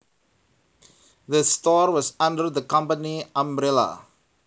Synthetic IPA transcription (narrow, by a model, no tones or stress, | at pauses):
ðəstɔɹwɔsãndəɾd̪əkãmpəniãmɾɛla̰